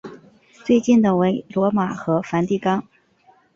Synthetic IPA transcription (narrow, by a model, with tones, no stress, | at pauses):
t͡swe˥˧ɪt͡ɕi˥˩nd̪ə˨˩we˧˥ɪlwɔ˧˥ma˨˩xɤ˧˥fa˧˥nt̪i˥˩kɑ˥ŋ